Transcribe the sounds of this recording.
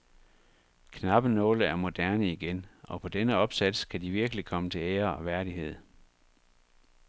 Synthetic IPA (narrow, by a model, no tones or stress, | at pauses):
kʰnɑ̈b̥ənɔ̽ːləæɐmo̝d̥æɐnəiɡ̥enʔɒ̽pʰɒ̽d̥enəɒ̽b̥sæd̥skʰæd̥iʋiɐɡ̥əlikʰɒ̽mət͡sʰe̝leːɐɒ̽ʋæɐɾiɦe̝ð̞̰ˠ